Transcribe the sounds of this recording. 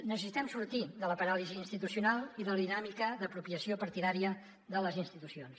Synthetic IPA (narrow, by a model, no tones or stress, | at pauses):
nəsəsit̪ɛmsuɾt̪id̪ələpəɾaliziːnst̪it̪usiunalˠiðələðinamikəðəpɾupiəsiopəɾt̪iðaɾiə | ðələzinst̪it̪usions